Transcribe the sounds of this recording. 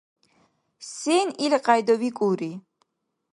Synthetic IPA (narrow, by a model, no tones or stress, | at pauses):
sɛnilqʼajd̪ɔvikʼuɾi